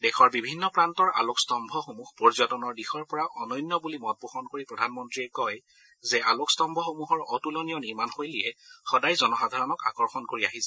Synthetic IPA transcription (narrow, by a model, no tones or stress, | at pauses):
dɛxɔɹbibʱinːɔpɹantɔɹʔa̰lokstɔmbʱɔxomuxpɔɹzɔtɔnɔɹdixɔɹpɔɹaʔɔnɔjnːɔbulimɔt̚puxɔnkoɹipɹɔdʱanmɔntɹiɛkɔj | zɛalokstɔmbʱɔxomuɦɔɹɔtulɔnijɔniɹmanxojlijɛxɔdajzɔnɔxadʱaɹɔnɔka̰kɔɹxɔnkoɹiaɦisɛ